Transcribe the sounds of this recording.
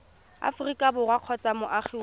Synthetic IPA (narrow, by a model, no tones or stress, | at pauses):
a̰fʊrikʼabʊrwaq͡χʰɔt͡sʼamʊʔaχiw